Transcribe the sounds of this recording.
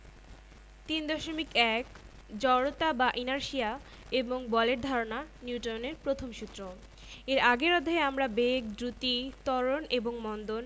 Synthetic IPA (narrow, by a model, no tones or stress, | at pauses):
t̪ind̪ɔʃomikɛk | d͡ʑɔɽot̪abaʔinaɾʃia | eboŋbɔleʈ̚d̪ʱaɾonaniuʈoneɾpɾot̪ʰomʃut̪ːɾo | eɾaɡeɾɔd̪ʱaeamɾabek̚d̪ɾut̪it̪ɔɾoneboŋmɔnd̪on